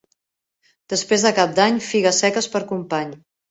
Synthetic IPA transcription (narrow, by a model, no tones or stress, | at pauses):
d̪̥əspɾezðəkap̚d̪aɲfiɣəsɛkəspəɾkumpaɲ